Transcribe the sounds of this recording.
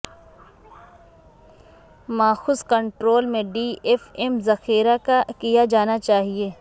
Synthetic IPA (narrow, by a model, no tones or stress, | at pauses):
maːxʊskɐ̃ɳʈɾoːlmẽɖiːʔefɛmzɐxiːɾakakijad͡ʒaːnat͡ʃaːɦieː